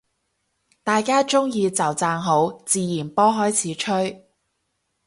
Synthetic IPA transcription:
t̪aː˨jkaː˥t͡sʊ˥ŋjiː˧t͡sɐ˨˩wt͡saː˧ŋɦo˨˥wt͡siː˨˧jiː˨˩npɔː˥ɦɔː˨˥jt͡sʰiː˨˥t͡ʃʰɵ˥ɥ

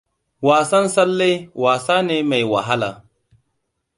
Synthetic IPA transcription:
waː˨sɐ˦nsɐ˦lːe˦jwaː˨saː˦neː˦ma˨jwa̰˨ɦa˦la̰ː˨

